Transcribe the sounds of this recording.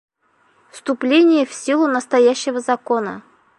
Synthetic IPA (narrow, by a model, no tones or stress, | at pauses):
fst̪ʊplʲenʲɪjəfsʲilˠʊnəst̪ajæɕːɪvəzɐkonə̰